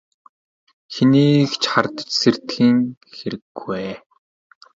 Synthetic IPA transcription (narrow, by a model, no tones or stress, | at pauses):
xeniːkt͡ɕχart̪ə̥̆t͡ɕsert̪xiːŋxeɾɘ̆ɡweː